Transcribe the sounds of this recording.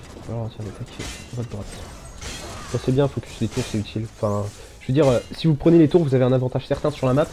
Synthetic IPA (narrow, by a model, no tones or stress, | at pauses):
valaʁɑ̃t̪jɛʁd̪et̪ɛkʲʰvɔt̪̚d̪ʁwat̪ | bɔ̃sɛbjɛ̃foky̥slet̪uʁsɛyt̪ʰilɑ̃fɛ̃ | ʒəvød̪iʁøsivupχənelet̪uʁvuzaveɛ̃navɑ̃t̪aʒ̥sɛʁt̪ɛ̃syʁlamap